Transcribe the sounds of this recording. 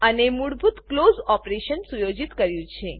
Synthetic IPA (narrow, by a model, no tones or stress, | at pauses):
ənemuɽbʱut̪klozɔpɾeʃənsujod͡ʒit̪kəɾjũt͡ʃʰe